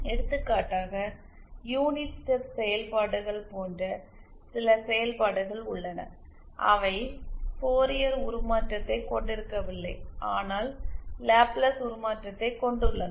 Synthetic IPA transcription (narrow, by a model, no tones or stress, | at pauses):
ɛɽɯt̪ːɯkːaːʈːaːɣɐ | juːnɪʈsɛpsɛjɐlpaːɽɯɣɐɭpoːndrɐ | sɪlɐsɛjɐlpaːɽɯɣɐɭʊɭːɐnɐ̰ | ʔɐ̰ʋɐɪpoːɾɪjɐɾʊɾʊmaːʈrɐt̪ːɐɪkɔɳɖɪɾɯkːɐʋɪlːɐɪʔaːnaːllaːplɐsʊɾʊmaːʈrɐt̪ːɐɪkːɔɳɖɯɭːɐn